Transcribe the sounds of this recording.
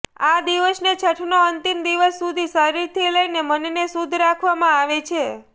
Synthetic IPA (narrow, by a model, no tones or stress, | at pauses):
ad̪iʋəsnet͡ʃʰəʈʰnoənt̪imd̪iʋəsːud̪ʱisəɾiɾt̪ʰiləinemənenesud̪ʱɾakʰʋamãaʋet͡ʃʰe